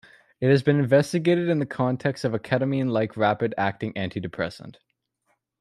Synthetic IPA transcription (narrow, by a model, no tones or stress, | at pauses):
ɨt̚hɨzbɨ̃nɨ̃ɱvɛstɨɡeɪɾɨɾɨ̃nðɨkʰɑ̃ntʰɛkstʌvɨkʰæɾəmiɨ̃nlaɪkʰɹæpɨɾæk̚tɪ̃ŋʔæ̃ntʰidɨpʰɹ̥ɛ̰sə̰̃n̩t